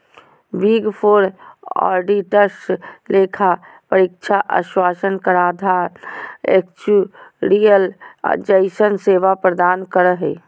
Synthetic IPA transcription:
biɡpʰoːɾɔ̰ːɾɖiʈəsleːkʰa | pəɾikt͡ʃʰaʔə̰ʃwaːsənkəɾaːd̪ʱaɾekt͡ʃuɾijəld͡ʒəɪsənseːʋapɾəd̪aːnkəɾəɦɛ

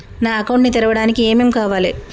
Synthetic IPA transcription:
naːɐkɐwɳʈnit̪ɛɾɐʋɐɽaːnikieːme̞ːmkaːʋaːle

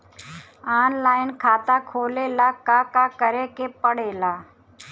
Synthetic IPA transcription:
aːnlaːɪnkʰaːt̪aːkʰoːleːlaːkaːkaːkəɾeːkeːpəɽeːlaː

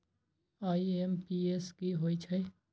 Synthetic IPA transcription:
aːiempiːeskiɦoːit͡ʃʰɐe

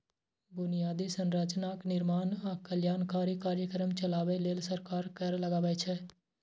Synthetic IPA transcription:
bʊnɪjaːd̪isənɾəd͡ʒnaːknɪɾmaːnakəljaːnkaːɾjikaːɾjəkəɾəmt͡ʃəlaːʋeleːlsəɾkaːɾkəɾləɡaːʋəet͡ʃʰɛː

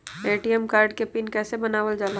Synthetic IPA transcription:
eːʈiɛmkaːɾɖkepɪnkɛːsebɐnaːʋəld͡ʒaːla

